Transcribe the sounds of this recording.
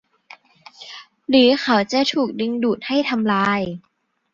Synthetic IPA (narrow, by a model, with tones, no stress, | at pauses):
lɯː˩˦xʰa˩˦wt͡ɕa˨˩t̪ʰuː˨˩k̚di˧ŋduː˨˩t̪̚ha˥˩jt̪ʰa˧mlaː˧j